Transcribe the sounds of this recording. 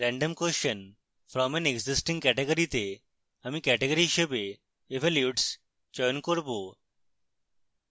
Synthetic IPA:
ɾæ̃ɳɖəmkosən | fɾɔmɛ̃neɡzisʈĩŋɡkɛʈeɡəɾit̪e | amiːkɛʈeɡəɾiɕəbe | eʋɛljuʈs | d͡ʑɔjnkəɾbo

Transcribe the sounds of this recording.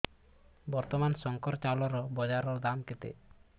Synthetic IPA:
bɔɾt̪ɔmansɔŋkɔɾt͡ʃalɔɾɔbɔd͡ʒaɾɔɾd̪amket̪ḛ

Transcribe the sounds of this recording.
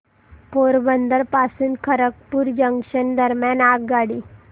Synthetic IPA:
poɾbənd̪əɾpasuːnkʰəɾək̚puːɾd͡ʑəŋɡʂənd̪əɾmjanaɡɡaɽiː

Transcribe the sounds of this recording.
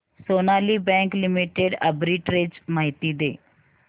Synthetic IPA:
soːnaːliːbɛ̃ːŋklɪmiʈeɖəbɾiːʈɾɪt͡ʃmaːɦɪt̪iːd̪eː

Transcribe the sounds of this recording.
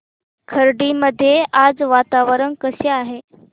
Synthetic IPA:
kʰəɾɖiməd̪ʱːjeʔad͡zʋat̪aʋəɾəɳkəɕeaɦe

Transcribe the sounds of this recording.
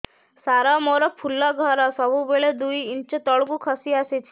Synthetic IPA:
saɾamoɾapʰulːaɡʱəɾasəbubeɭed̪uiint͡ʃet̪əɭɡukʰəsiaset͡ʃʰi̥

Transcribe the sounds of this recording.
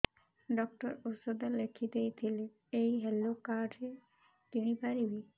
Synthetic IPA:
ɖɔk̚ʈɔɾosod̪alekʰid̪ejt̪ʰile | ejɦɛlokaɾɖʱe | t̪inipaɾibi

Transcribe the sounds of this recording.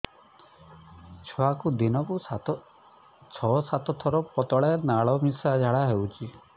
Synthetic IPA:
t͡ʃʰɔakud̪inɔku | t͡ʃʰɔsat̪ɔt̪ʰɔɾɔpɔt̪ɔɭaɾnaɭɔmisad͡ʒʱaɽaɦewt͡ʃʰi

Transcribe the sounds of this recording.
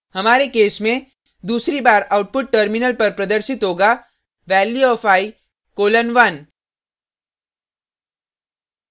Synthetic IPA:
hɐmaːɾekeːsmẽ | d̪uːsɾibaːɾaːʊʈ̚pʊʈ̚ʈːəɾmɪnəlpɐɾpɾɐd̪əɾʃɪt̪ɦoːɡa | ʋɛːlːiɔːfʰaːi | koːlənʋan

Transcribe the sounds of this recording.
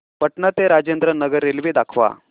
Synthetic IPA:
pəʈɳat̪eɾad͡ʑend̪ɾənəɡəɾːelʋid̪akʰʋa̰

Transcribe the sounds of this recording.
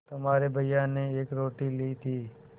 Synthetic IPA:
t̪əmaːɾebʱəɪjaːneeːkɾoːʈiːliːt̪ʰiː

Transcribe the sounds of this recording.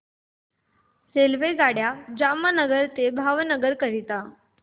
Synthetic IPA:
selʋeɡaɽjad͡ʑamənəɡəɾt̪ebʱaʋnəɡəɾkəɾit̪a

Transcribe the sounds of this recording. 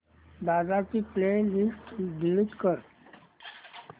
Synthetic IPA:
d̪ad͡zat͡siːplenisʈd̪ilit̪kəɾ

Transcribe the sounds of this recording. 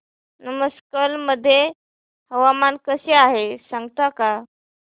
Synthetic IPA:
nəməskəlməd̪ʱːje | həʋamankəseaɦesãŋɡt̪aka

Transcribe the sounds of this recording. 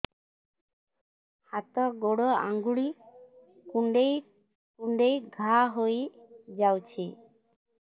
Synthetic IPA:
hat̪ɔɡoɽɔa̰ŋɡuɽi | kuɳɖej | kuɳɖejɡʱaɦojd͡ʒawt͡ʃʰi

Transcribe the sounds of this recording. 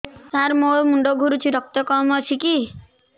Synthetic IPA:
saɾmoɭmuɳɖɔɡʱuɾut͡ʃʰiɾɔk̚t̪ɔkɔmɔt͡ʃʰiki

